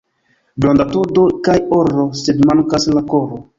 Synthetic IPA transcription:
bɾond̪atodokajoɾosedmaŋkaslakoɾo

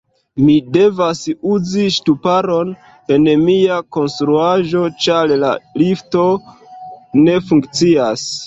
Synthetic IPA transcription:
mide̞vasuziʃtupaɾo̞n | e̞nmiako̞nstɾuaʒo̞t͡ʃaɾla̰lifto̞ | ne̞fuŋkt͡sias

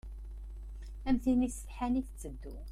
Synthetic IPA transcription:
æmθinisə̥fħæniθt͡sːəd̪ːu

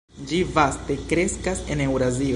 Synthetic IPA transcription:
d͡ʒivaste̞kɾe̞skase̞ne̞wɾazi

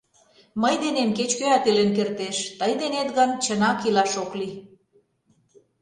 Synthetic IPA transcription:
məjd̪enemket͡ɕkøɑt̪elenkert̪eʃt̪əjd̪enet̪ɣənt͡ɕənɑkilɑʃokli

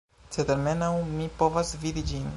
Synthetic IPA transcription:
t͡set̪eɾmenawmipo̞vasvid̪id͡ʒin

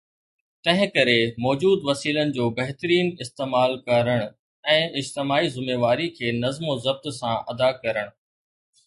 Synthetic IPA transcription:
t̪ɐ̃ɦɪ̃kɐɾemɔːd͡ʑuːd̪ʋɐsiːlənɪ̆d͡ʑoːbɐɦɪt̪əɾiːnɪst̪eːmaːlkɐɾəɽ̃ʊ | ɛ̃ːɪd͡ʑt̪ɪmaːizʊmeːʋaːɾikʰeːnɐzmozɐb̚t̪sãʔɐd̪akɐɾəɽ̃ʊ

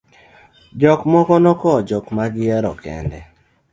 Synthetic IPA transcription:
d͡ʒɔkmɔkɔnɔkɔd͡ʒɔkmaɡɪɛɾɔ̰kɛ̰ndɛ

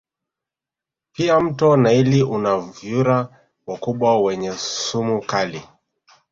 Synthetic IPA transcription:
piam̩tɔnailiʔunavjuɾa | wakuɓwawɛɲɛsumukali

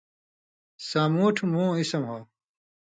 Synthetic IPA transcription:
saːmuːʈʰmũːisɐmɦoː

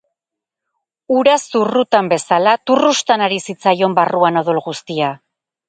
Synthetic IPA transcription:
uɾasurut̪ambe̞salat̪urust̪anaɾisit͡sajo̞mbaruano̞ðolɣust̪ia

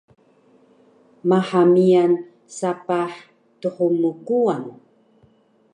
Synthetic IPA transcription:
maħamian | sapaħ | tuhumukuan

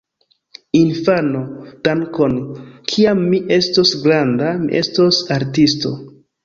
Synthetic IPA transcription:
infanod̥aŋko̞nkʰiamːiʔe̞stosɡɾandamḭʔe̞stosaɾtisto̞̰

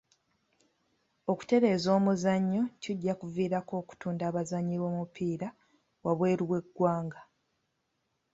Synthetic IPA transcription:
o̞ku̥te̞ɾe̞ːzo̞ːmuzaɲːo̞ciɟːakuviːɾako̞ːku̥tuːndaːβazaɲːiβo̞ːmupiːɾa | waβwe̞ːɾiβwe̞ɡːwaːŋɡa

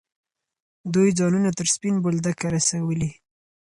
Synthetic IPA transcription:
d̪ujd͡zɑnunat̪əɾspinbold̪akaɾasawəli

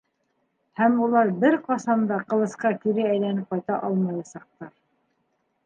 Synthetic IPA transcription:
hæmulˠɑɾbɘɾqɑsɑnd̪ɑqɤ̆lˠɤ̆sqɑkiɾɘæjlænɘp̚qɑjt̪ɑʔɑlˠmɑjɑsɑq̚t̪ɑɾ

